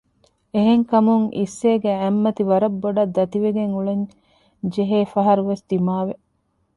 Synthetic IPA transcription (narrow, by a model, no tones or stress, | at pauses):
eɦeŋkɐmuŋʔḭsːeːɡeæmːɐt̪iʋɐɾɐbːoɖɐd̪ːɐt̪iʋeɡeŋuɭeɲ | d͡ʒeɦeːfɐɦɐɾuʋesd̪̥imaːʋe